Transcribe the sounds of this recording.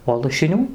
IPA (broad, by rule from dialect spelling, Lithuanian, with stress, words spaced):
oː lˠɐʃʲɪˈnʲuː